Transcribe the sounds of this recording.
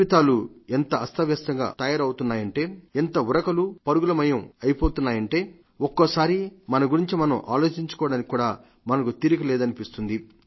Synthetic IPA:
it̪aːluent̪ɐɐst̪ʰɐʋjɐst̪ɐŋɡa̰ːt̪ɐjaːɾɐwut̪unːaːjɐɳʈe̞ːent̪ɐuɾɐkɐlupɐɾuɡulɐmɐjɐmɐjipoːt̪unːaːjɐɳʈe̞ː | okːoːsaːɾimɐnɐɡuɾiɲt͡ʃimɐnɐmʔa̰ːlo̞ːt͡ʃiɲt͡ʃu̥kɔːɽaːnikʲikːuːɽaː | mɐnɐkut̪iɾukilɛːd̪ɐnipist̪und̪i

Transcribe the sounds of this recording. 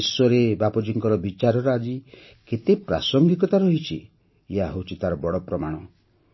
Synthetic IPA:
swɔɾebapɔd͡ʒiŋkɔɾɔbit͡ʃaɾɔɾɔad͡ʒi | ket̪epɾa̰sɔŋɡikɔt̪aɾɔɦit͡ʃʰi | eaɦowt͡ʃʰit̪aɾɔbɔɽɔpɾɔmaɽ̃ɔ

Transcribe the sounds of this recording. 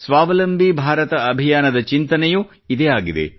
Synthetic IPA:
sʋaːʋɐlɐmbʱibʱaːɾɐt̪ɐɐbʱijaːnɐd̪ɐt͡ʃint̪ɐnɛju | id̪eaːɡid̪ḛ

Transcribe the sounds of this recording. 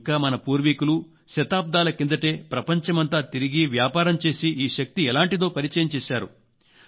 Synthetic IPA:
kaːmɐnɐpuːɾʋikulu | ʃɐt̪aːp̚d̪aːlɐkind̪ɐʈe̞ːpɾɐpɐɲt͡ʃɐmɐnt̪aːt̪iɾiɡiʋjaːpaːɾɐmt͡ʃe̞ːsiiːʃɐk̚t̪iɛlaːɳʈid̪o̞ːpɐɾit͡ʃɐːjɐmt͡ʃeːʃaːɾṵ

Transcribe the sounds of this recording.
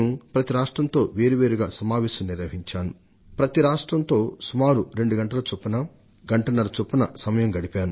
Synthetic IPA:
mpɾɐt̪iɾaːʂʈɾɐnt̪o̞ːʋeːɾuʋe̞ːɾuɡa̰ːsɐmaːʋeːʃɐmniɾʋɐɦiɲt͡ʃaːnu | pɾɐt̪iɾaːʂʈɾɐnt̪o̞ːsumaːɾuɾe̞ɳɖuɡɐɳʈɐlɐt͡ʃopːunɐ | ɡɐɳʈɐnɐɾɐt͡ʃopːunɐsɐmɐjɐmɡɐɽipaːnu

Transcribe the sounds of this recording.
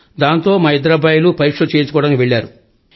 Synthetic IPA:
d̪aːnt̪o̞ːmɐid̪ɾɐbajlupɐɾikʂɐt͡ʃeːjt͡ʃukɔːɐɽɐnkiʋeɭːaːɾu

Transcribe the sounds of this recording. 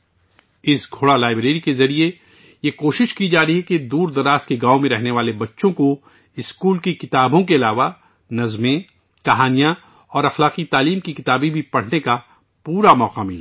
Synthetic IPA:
ɪsɡʱoːɽalaːɪbɾeːɾikezɐɾie | jekoːʃɪʃkid͡ʒaːɾəɦiɦɛked̪uːɾd̪ɐɾaːst̪̚keɡaːomẽɾɛɦneʋaːlebɐtːʃõko | ɪskuːlkikɪt̪aːbõkeɐlaːʋa | nɐzmẽ | kɐɦaːnijã | ɔːɾɐxlaːqit̪aːliːmkikɪt̪aːbĩbʱipɐɽ̤neka | puːɾamɔːqamilɛ

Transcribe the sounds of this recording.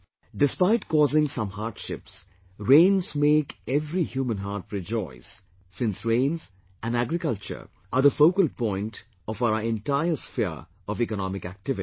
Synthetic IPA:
ɖɪspaɪʈkɔːzɪ̃ŋsʌ̃mhaːɾʈʃɪps | ɾẽːnzmeːkɛvɾihjuːmə̃nɦaːʈɹɪd͡ʒɔ̰ɪsː | ɪ̃nsɹẽɪ̃nz | ʔæ̃næɡɾɪkʌlt͡ʃə̰˞ | ʔad̪əfoʊkəlpɔ̃ɪ̃nʈ | ɔfaʊəɹɛ̃nʈaɪəsfɛəɹ | ɔvikənɔmɪkæ̰k̚ʈɪvɪ

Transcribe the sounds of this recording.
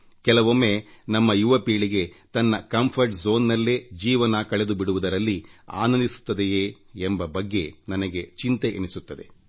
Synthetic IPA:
kɛlɐʋomːenɐmːɐjuʋɐpiːɭiɡe̞t̪ɐnːɐkɐmpʰɐɾʈzo̞ːnːɐlːed͡ʒiːʋɐnɐkɐɭed̪ubiɽuʋud̪ɐɾɐlːia̰ːnɐnd̪isu̥t̪ːɐd̪ejeːmbɐbɐɡːe̞nɐnɐɡe̞t͡ʃint̪eʔḛnisut̪ːɐd̪e̞

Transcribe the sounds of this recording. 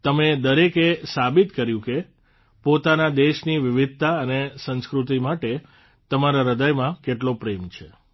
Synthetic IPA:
t̪əmed̪əɾekesabit̪kəɾjũke | pot̪anad̪eʃniʋɪʋɪd̪̚ʱt̪aənesə̃nskɾut̪imaʈe | t̪əmaɾaɾəd̪əjmãkeʈlopɾemt͡ʃʰe

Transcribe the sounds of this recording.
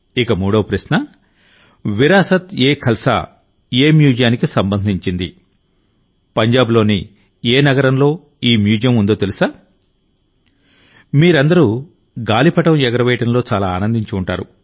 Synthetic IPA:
ikɐmuːɽɐwɐpɾɐʃnɐ | ʋiɾaːsɐt̪eːkʰɐlsa̰ | eːmjuːd͡ʒjaːnikisɐmbɐnd̪ʱiɲt͡ʃind̪ḭ | pɐɲd͡ʒaːblo̞ːnḭ | eːnɐɡɐɾɐmlo̞ː | iːmjuːd͡ʒjɐmund̪oːt̪elusaː | miːɾɐnd̪ɐɾu | ɡaːlipɐʈɐmɛɡɐɾɐʋɛjʈɐnlo̞ːt͡ʃaːlaːaːnɐnd̪iɲt͡ʃuːɳʈaːɾu

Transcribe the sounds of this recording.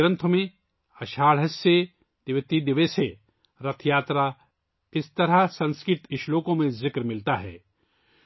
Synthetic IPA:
ɾə̃nt̪ʰəmẽ | ɐʃaːɽɦɐsːe | d̪̥ɪʋt̪id̪ɪʋese | ɾɐt̪ʰjaːt̪ɾa | ɪst̪ɐɾasɐ̃nskɪt̪ɪʃloːkõmẽzɪkɾmɪlt̪aɦɛ̰ː

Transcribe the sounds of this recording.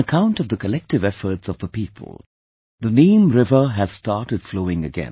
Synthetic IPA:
əkʰãʊ̃ntʌvðəkəlɛk̚tɨvɛfə˞tsʌvðəpipʰə̰l̩ˠ | ðənĩmɹɪvə˞ɦɨz̥stɑɹtɨd̥floʊɪ̃ŋɨɡɛ̰̃n

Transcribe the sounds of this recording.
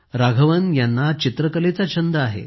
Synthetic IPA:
ɾaɡʱəʋənjanːat͡ɕit̪ɾəkəlet͡sat͡ɕʰənd̪əaɦḛ

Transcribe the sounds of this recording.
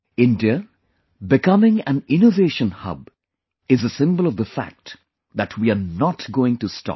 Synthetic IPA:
ɪ̃ndiə | bɪkʌmɪ̃ŋæ̰̃nɪnoveːʃə̃nhʌ̰b | ɪzəsɪ̃mbəl̩ˠʌvðəfæ̰k̚t | ðætʰwianɔtɡoːɪ̃ŋtustɑ̰p̚

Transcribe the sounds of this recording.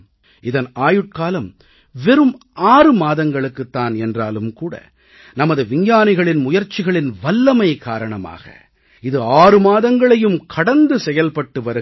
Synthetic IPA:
ʔɪðɐnaːjɯʈ̚kaːlɐm | ʋɛɾɯm | aːrɯmaːðɐŋɡɐɭɯkːɯt̪ːaːnɛndraːlɯmkuːɽɐ̰ | nɐmɐðɯʋɪɲjaːnɪɣɐɭɪnmʊjɐɾt͡ʃːɪɣɐɭɪnʋɐlːɐmɐɪkaːɾɐɳɐma̰ːɣɐ̰ | ɪðɯaːɾɯmaːðɐŋɡɐɭɐjɯmkʰɐɽɐnd̪ɯsɛjɐlpɐʈːɯʋɐɾɯ

